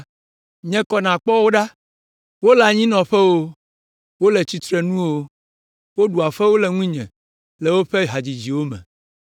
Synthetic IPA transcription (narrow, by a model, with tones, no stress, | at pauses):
ɲɛ̃˦kɔ˨nã˨k͡pɔ˦wo˦ɖa˦ | wo˦la˨ɲĩ˦nɔ̃˨ɸɛ˦wo˦ | wo˦lɛ˨t͡ɕi˦t̪ɾɛ˦nũ˦wo˦ | wo˦ɖu˨a˨ɸɛ˦wo˦lɛ˨ŋũ˦ɲɛ̰̃˨ | lɛ˨wo˦ɸɛ˦ɦa˨d͡ʑi˨d͡ʑi˨wo˦mɛ̰̃˨